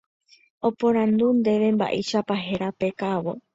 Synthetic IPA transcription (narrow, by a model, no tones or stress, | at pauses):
o̞põ̞ɾãnd̪und̪e̞ʋe̞mba̰ʔḛʃapaɦe̞ɾape̞kaʋo̰